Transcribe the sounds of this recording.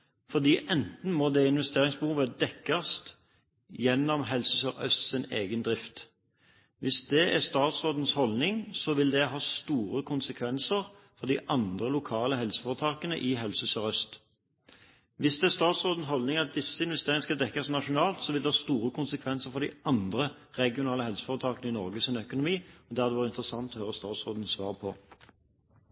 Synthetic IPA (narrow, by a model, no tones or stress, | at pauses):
fɔʁd̪iːʔɛnt̪n̩mɔd̪ɛɪnʋɛst̪eːɾɪŋsbəhuːʋəd̪ɛkːɑst̪ | jɛnːɔmɦɛlsəsəʁœ̰st̪sɪneːɡənd̪ʁɪft̪ | ʋɪsd̪ɛʔæst̪ɑːt̪sʁoːd̪n̩shɔlnɪŋsɔʋɪld̪ɛɦɑːst̪uːɾəkʰʊnsəkʰʋɛnsəʁ | fɔʁd̪ɪʔɑnd̪ʁəlʊkʰɑːləɦɛlsə̥foːʁət̪ʰɑːkənə̰ʔɪɦɛlsəəsœʁœst̪ | ʋɪsd̪ɛæʁst̪ɑːt̪sʁoːd̪n̩sɦɔlnɪŋɑt̪̚d̪ɪsːəɪnʋɛst̪eːʁɪŋəskɑd̪ɛkːɑsnɑʂʊnɑːlt̪sɔʋɪld̪ɛhɑːst̪uːʁəkʰʊnsəkʰʋɛnsəʁfɔd̪ɪɑnd̪ʁə | ʁɛɡɪʊnɑːləhɛlsə̥fɔʁət̪ʰɑːkənəɪnɔʁɡəsɪnœkʊnʊmiːɔd̪æːʁd̪ɛʋɑːʁəɪnt̪ʁəsɑŋt̪ɔhøːʁəst̪ɑːt̪sʁoːd̪n̩sʋɑ̰ːʁpʰɔ